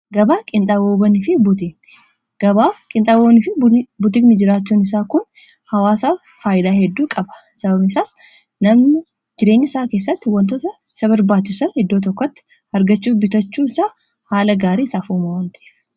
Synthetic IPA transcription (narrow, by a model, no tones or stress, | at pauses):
ɡɐbaːkʼɪnt̪ʼawoːbɐnɪfɪbʊt̪ɪ | ɡ̥ɐbaːkʼɪnt̪ʼawonɪfɪbʊt̪̬ɪɡnɪd͡ʒɪɾaːt͡ʃːuːnɪsaːkʊn | hɐwaːsaː | faːjɪd̪aːhɛd̪ːuːkʼɐbɐ̥ | sɐbɐbnɪsaːs | nɐmnɪ | d͡ʒɪɾe̞ːɲːɪsaːkeːs̬ːɐt̪ːɪwɐnt̪ɔt̪ɐ | sɐbɐɾbaːt͡ʃːɪsɐnhɛd̪ːoːt̪̬ɔkːɔt̪ːɪ̥ | ɐɾɡɐt͡ʃːuːbɪt̪ɐt͡ʃːuːɪsaː | haːlɐɡaːɾiːɪsaːfuːmɐwɐnt̪ɐʔɛ̥f